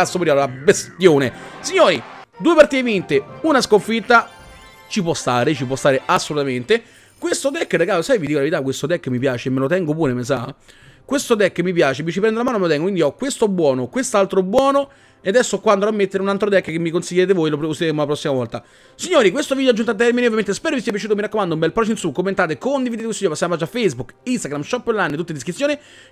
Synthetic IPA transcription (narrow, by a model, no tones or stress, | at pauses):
asːomɾiːalabest̪joːnesiɲːoːɾid̪uːepart̪iːevint̪eunaskoɱfit̪ːa | t͡ʃip̬wɔst̪aːɾet͡ʃipwɔst̪aːɾeʔasːolut̪ament̪e | kwest̪od̪ɛkːraɡaːlosajvid̪ikolaveɾit̪akːwest̪od̪ɛkːəmːipjaːt͡ʃemːelot̪ɛŋɡopuːɾemes̬a̰ | kwest̪od̪ɛkːəmːipjaːt͡ʃevit͡ʃipɾɛnd̪olamaːnomelot̪ɛŋɡokwind̪iɔkːwest̪oɛbːwɔːnokwest̪alt̪ɾoɛbwɔːno | ead̪ɛsːokwand̪oɾamːet̪ːeɾeunalt̪ɾod̪ɛkːkemːikonsiʎjːeːt̪̬evoːjloposileɾeːmolapɾɔsːimavɔlt̪a | siɲːoːɾikwest̪ovid̪joad͡ʒːunt̪oat̪̬ːɛrmineovjament̪espɛːɾovisiɛpjat͡ʃut̪omiɾakːomand̪oumbɛlpɾɔt͡ʃoinsukːomːent̪aːt̪̬ekːond̪ivid̪et̪eosiɲoːɾpasjampat͡ʃːafːejzbukːinst̪aɡɾamʃɔpːlanːet̪ut̪ːend̪iskɾit̪sːjoːni